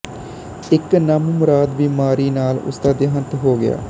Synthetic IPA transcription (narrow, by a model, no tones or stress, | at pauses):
ɪknəmmʊɾaːd̪biːmaːɾiːnaːlʊ̰sd̪aːd̪ɪɦənt̪ɦoːɡɪja̰ː